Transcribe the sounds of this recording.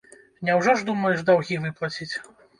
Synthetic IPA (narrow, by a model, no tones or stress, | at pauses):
nʲɛwʐɔʐd̪umɐjɛʐd̪awɣʲivɨplˠɐt͡sʲit͡sʲ